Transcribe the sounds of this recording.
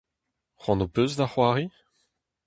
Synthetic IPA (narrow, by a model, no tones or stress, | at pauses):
χɑ̃nopøzd̪aχwaːʁi